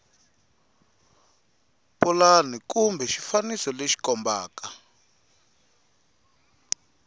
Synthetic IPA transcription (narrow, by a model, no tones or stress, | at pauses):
pulanikumbʱɛʃifanisɔleʃi̥kɔmba̰ːka